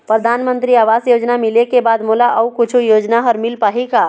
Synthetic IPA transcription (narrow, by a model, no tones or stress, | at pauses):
pɾəd̪ʱanmənt̪ɾiaʋasjod͡ʒnamilekebad̪mulaʔəukut͡ʃʰujod͡ʒnaɦəɾmilpaɦika